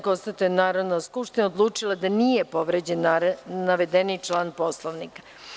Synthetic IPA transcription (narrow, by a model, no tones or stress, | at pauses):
konst̪at̪ujenaːɾod̪naskupʃt̪inaod̪lˠuːt͡ʂilˠad̪anijepo̞ʋɾed͡ʑennːaʋed̪enit͡ʂlˠaːnpo̞slˠoʋnikḁ